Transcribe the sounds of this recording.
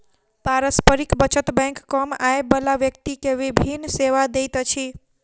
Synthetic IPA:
paɾəspəɾikbət͡ʃət̪bɛ̃jŋkːəmaebəlaʋjək̚t̪ikeʋibʱinːseʋad̪ejt̪t͡ʃʰi

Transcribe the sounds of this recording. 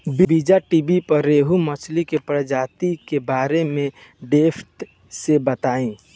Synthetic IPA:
bibid͡ʒaʈibipɐɾːeːɦumɐt͡ʃʰlikepɾəd͡ʒaːt̪ikebaːɾemẽ | ɖeːpʰt̪ | sebət̪aːĩː

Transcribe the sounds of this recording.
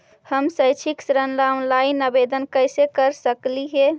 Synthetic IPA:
həmsəɪt͡ʃʰiksɾənlãlainəbed̪ənkəɪsekəɾsəkliɦɛ

